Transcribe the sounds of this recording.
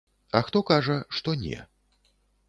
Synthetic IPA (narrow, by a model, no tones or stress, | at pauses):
ɐxt̪ɔkaʐɐʂt̪ɔnʲɛ̰